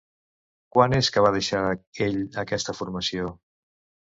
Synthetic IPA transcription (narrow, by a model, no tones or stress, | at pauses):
kwaneskəβað̞əʃaɾeʎəkɛst̪əfuɾməsio